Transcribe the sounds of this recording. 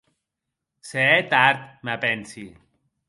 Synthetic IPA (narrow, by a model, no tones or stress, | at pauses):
seɛt̪aɾt̪̚mapɛnsi